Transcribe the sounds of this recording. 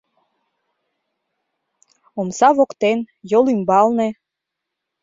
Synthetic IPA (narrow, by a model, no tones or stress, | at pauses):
omsɑβokt̪en | jolymbɑlnĕ